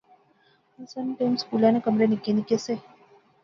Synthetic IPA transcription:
ənsəniʈemskulanekəmɾenikenikese

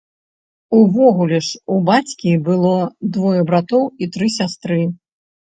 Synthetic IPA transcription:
uvɔɣulʲɛʂubat͡sʲkʲibɨlˠɔd̪vɔjɐbɾat̪ɔwit̪ɾɨsʲast̪ɾɨ

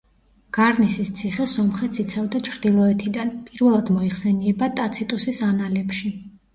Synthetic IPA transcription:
ɡ̥aɾnisist̪sʰiχɛsɔmχɛt̪sit̪sʰavd̪at͡ʃʰɾd̪ilˠɔɛt̪ʰid̪anpʼiɾvɛlˠad̪mɔiχsɛniɛbat̪ʼat̪sʰit̪ʼusisanalɛpʃi

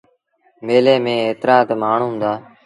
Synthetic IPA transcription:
meːleːmẽːeːt̪ɾaːt̪maːɳ̤ũːmd̪aː

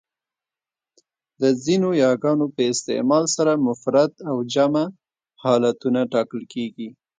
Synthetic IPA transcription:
d̪əzinojɑɡɑnopəɪst̪ɪ̰mɑlsaɾamʊfɾat̪awd͡ʒama | hɑlat̪unaʈɑkəlkeɡi

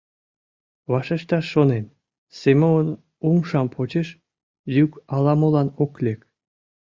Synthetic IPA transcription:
βɑʃeʃt̪ɑʃːonem | semʲoon | umʃɑmpʰot͡ɕeʃ | jykɑlɑmolɑnoklʲek

